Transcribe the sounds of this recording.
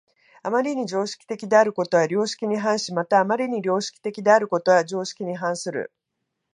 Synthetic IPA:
amaɾʲiɲ̟id͡ʑo̞ːɕi̥kʲi̥t̪e̞kʲid̪e̞aɾɯ̟ko̞t̪o̞βaɾʲo̞ːɕi̥kʲiɲ̟iɦãɰ̃ɕimat̪aːmaɾʲiɲ̟iɾʲo̞ːɕi̥kʲi̥t̪e̞kʲid̪e̞aɾɯ̟ko̞t̪o̞βad͡ʑo̞ːɕi̥kʲiɲ̟iɦãɰ̃sɨɾɯ̰

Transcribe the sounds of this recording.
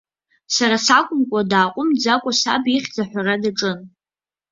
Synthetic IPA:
saɾasakʷʼʊmkʷʼadaːqʷʼʊmd͡zakʷʼasa̰biχʲd͡zaħʷᶣaradaʈ͡ʂʼɨn

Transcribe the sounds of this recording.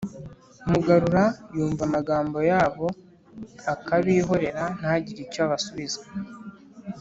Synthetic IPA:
muɡaɾuɾajuːɱvamaɡaːmbo̞jaːβo̞ | akaβiːɦo̞ɾe̞ɾan̥aɟiɾicoaβasuβize

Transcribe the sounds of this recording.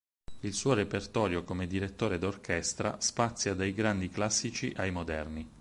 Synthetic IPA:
ilsuːoɾepert̪ɔːɾjokomed̪iɾet̪ːoːɾed̪orkɛst̪ɾa̰spat̪sːjad̪ajɡɾand̪iklasːit͡ʃḭʔajmod̪ɛrni

